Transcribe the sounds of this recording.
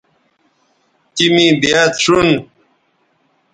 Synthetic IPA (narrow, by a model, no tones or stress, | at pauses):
t̪imĩbjat̪ʂun